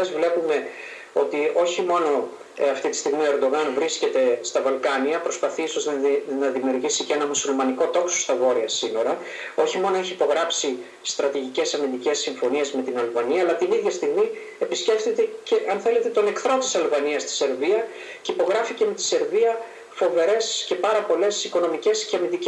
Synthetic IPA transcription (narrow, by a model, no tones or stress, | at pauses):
ɐzvle̞pume̞ | o̞t̪io̞çimo̞no̞ | ɐft̪it̪i̥st̪iɣmioe̞ɾd̪o̞ɣɐnvɾisce̞t̪e̞st̪ɐvɐlkɐniɐpɾo̞spɐθiiso̞znnɐðimiuɾʝisiceenɐmusulmɐniko̞t̪o̞ksost̪ɐvo̞ɾiɐsino̞ɾɐ | o̞çimo̞no̞eçiːpo̞ɣɾɐpsi | st̪ɾɐt̪iʝice̞sɐmind̪ice̞sːiɱfo̞nie̞zme̞t̪inɐlvɐniɐːlɐt̪iniðʝɐst̪iɣmi | episce̞pθet̪ece̞ʔɐnθe̞le̞t̪e̞t̪o̞ne̞kθɾo̞t̪i̥sɐlvɐniɐst̪i̥se̞ɾviɐ | ceipo̞ɣɾɐfice̞me̞t̪i̥se̞ɾviɐ | fo̞ve̞ɾe̞sce̞pɐɾɐpo̞le̞siko̞no̞mice̞sceɐmind̪ic